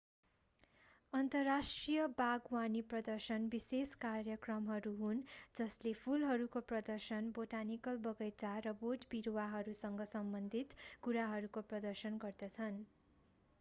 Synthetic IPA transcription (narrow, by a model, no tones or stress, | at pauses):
ʌnt̪ʌrːasʈrijʌbaɡwaniprʌd̪ʌrsʌnbiseskarjʌkrʌmɦʌɾuɦund͡zʌslepʰulɦʌɾukoprʌd̪ʌrsʌnboʈanikʌlbʌɡʌjt͡saɾʌboʈbiɾowaɦʌɾusʌŋɡʌsʌmbʌnd̪ʱit̪kuɾaɦʌɾukoprʌd̪ʌrsʌnɡʌrd̪ʌt͡sʰʌn